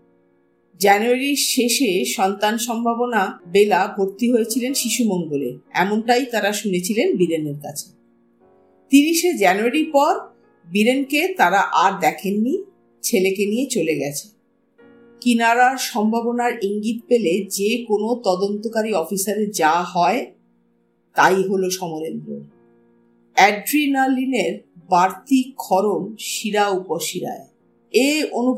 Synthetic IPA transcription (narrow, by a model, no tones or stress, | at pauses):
d͡ʑɛnuaɾiɾʃeʃeʃɔnt̪anʃɔmbʱabonabelabʱoɾt̪iɦojet͡ɕʰilenʃiʃumɔŋɡolḛɛ̰monʈajt̪aɾaʃunet͡ɕʰilenbiɾeneɾka̰t͡ɕʰe̥ | t̪iɾiʃed͡ʑɛnuaɾiɾpɔɾ | biɾenket̪aɾaʔaɾd̪ɛkʰenːi | t͡ɕʰelekenijet͡ɕoleɡɛt͡ɕʰe̥ | kinaɾaʃɔmbʱabonaɾiŋɡit̪̚peled͡ʑekonot̪ɔd̪ont̪okaɾiɔfisaɾed͡ʑaɦɔe | t̪ajɦoloʃɔmoɾend̪ɾo̰m | ɛɖɾinalineɾbaɾt̪ikʰːɔɾomʃiɾaupoʃiɾa̰e | ejonu